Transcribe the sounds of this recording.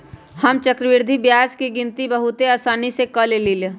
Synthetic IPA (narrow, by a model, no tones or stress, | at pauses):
həmt͡ʃəkɾəʋɪɾd̪ʱibjaːskiɡɪnt̪ibəɦut̪eəsaːnisekəlelile